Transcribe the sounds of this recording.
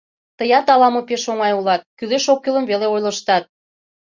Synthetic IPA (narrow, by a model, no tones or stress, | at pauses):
t̪əjɑt̪ɑlɑmopeʃoŋɑjulɑt̪̚kyleʃokːeləmveleojləʃt̪ɑt̪̚